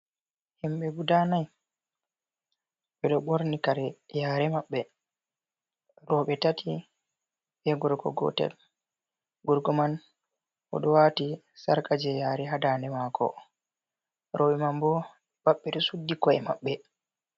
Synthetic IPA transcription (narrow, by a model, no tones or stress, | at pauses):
himɓɛɡudanaj | ɓɛɗɔɓoɾnikaɾɛjaːɾɛmaɓːɛ | ɾɔɓɛtatʰi | ɓɛɡɔɾkɔ̰ɡɔ̰tɛ̰l | ɡuɾɡɔman | ɔ̰ɗɔwati | saɾkad͡ʒɛjaːɾɛɦadaːnɛmaːkʰɔ̰ | ɾɔɓɛmambɔ | baɓːɛɗɔsudːikɔɛma̰ɓːɛ